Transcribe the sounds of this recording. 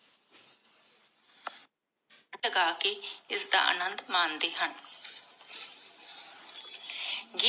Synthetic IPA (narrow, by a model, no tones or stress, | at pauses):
ləɡaːkeːɪsd̪a̰ːʔə̰nənd̪mãːnd̪eːɦən | ɡi